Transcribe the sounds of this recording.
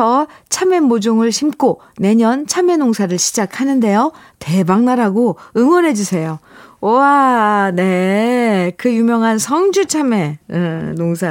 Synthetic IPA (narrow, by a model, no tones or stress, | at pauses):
ʌt͡ɕʰame̞mod͡ʑoŋɯɭɕʰimk͈o | ne̞ɲʌnt͡ɕʰame̞noŋsʰaɾɯɭɕʰid͡ʑakʰanɯnde̞jo | te̞baŋnaɾaɡoɯŋwʌnɦe̞d͡ʑusʰe̞jooane̞ | kɯjumjʌŋɦansʰʌŋd͡ʑut͡ɕʰame̞ɯnoŋsʰa